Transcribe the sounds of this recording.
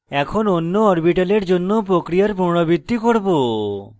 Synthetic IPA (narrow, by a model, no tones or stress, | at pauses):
ɛkʰononːoɔɾbiʈaleɾd͡ʑonːopɾokɾijaɾpuɾɽ̃obid̪ːikoɾbo